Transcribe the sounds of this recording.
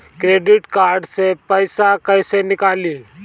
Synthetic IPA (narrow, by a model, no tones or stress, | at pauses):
kɾeɖiʈkaɾɖsepəjsakəjsenikaliː